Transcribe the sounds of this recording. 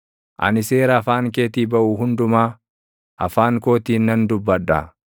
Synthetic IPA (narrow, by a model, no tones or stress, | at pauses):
ʔɐ̰nɪse̞ːɾɐːfaːŋkeːt̪iːbɐʔuːɦʊnd̪ʊmaː | ʔɐ̰faːŋko̞ːt̪iːnːɐnd̪ʊbːɐᶑːɐ̰